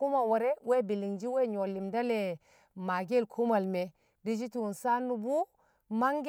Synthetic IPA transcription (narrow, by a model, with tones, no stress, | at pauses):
ku˦ma˨wo˨ɾe˦we˦bi˨li˨ŋd͡ʒi˦we˦ɲo˨lːi˨mda˦le˨ | ma˨ɡe˦lkʰu˦ma˨lme˨ | di˦d͡ʒi˦ti˨wu˨nsa˦nːu˨bu˦ | ma˦ŋɡ